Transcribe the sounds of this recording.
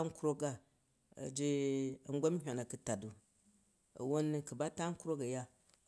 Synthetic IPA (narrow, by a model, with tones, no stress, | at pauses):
ŋ̩˦ku˦ɾo˦ɡa˦˨ | ɐ̰˨d͡ʒi˦ɐ˨ŋ˦ɡʷo˦m̩˦ɦʲʷo˨na˨kɨ˦ta˨du˨ | ɐ̰˨wo˦n˦kɨ˨ba˦ta˦ŋ̩˦ku˦ɾo˦kɐ˨ja˦